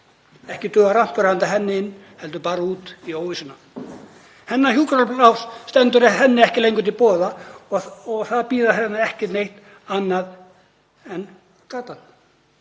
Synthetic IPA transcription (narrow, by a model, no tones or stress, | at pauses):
ɛhcɪt̪ʏːɣaɾam̥pʏɾhant̪aɦɛnːɪɪnː | hɛlt̪̬ʏpaːɾauːt̪iowvisɪnːa | hɛnːahjuːkɾaplawsst̪ɛnt̪ʏɾɛhɛnːɪɛhcɪlejŋkʏt̪ʰɪlpɔːðaɔɔɣθaðpiːðaɦɛnːaɛhcɪnejht̪ | anːað | ɛn | kaːt̪an